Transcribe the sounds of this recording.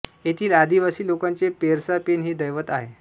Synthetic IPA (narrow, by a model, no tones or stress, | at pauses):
jet̪ʰiːlad̪iʋasiːlokant͡sepeɾsapenɦiːd̪əjʋət̪aɦe